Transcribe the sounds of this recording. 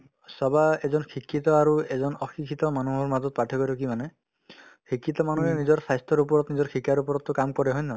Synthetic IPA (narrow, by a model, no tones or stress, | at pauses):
sɔbaezɔnkʰikːit̪ɔaɾuezɔnɔxʰikʰit̪ɔmanuɦɔɹmadɔt̪̚paʈʰɔkɔɾukimanɛ | kʰikːit̪ɔmanuɦenizɔɹsajst̪ʰɔɾup̬ɔɹɔt̪nizɔɹkʰikaɾupɔɹɔt̪ːukamkɔɾɛɦɔjnɔ